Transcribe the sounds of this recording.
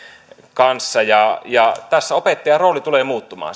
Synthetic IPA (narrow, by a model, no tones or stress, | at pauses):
kɑnsːɑjɑjɑt̪æsːæopet̪ːɑjɑroˑːlit̪uleːmuːt̪ːumɑ̰ː